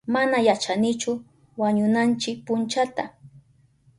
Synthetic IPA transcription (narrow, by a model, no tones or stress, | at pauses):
manajat͡ʃanɪt͡ʃʊ | waɲʊnant͡ʃɪk̚pʊnt͡ʃat̪a